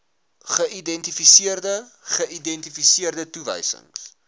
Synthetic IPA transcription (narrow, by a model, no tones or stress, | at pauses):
χəʔidɛntifisiərdəχəidɛntifisiərdətuvə̰jsə̰ŋs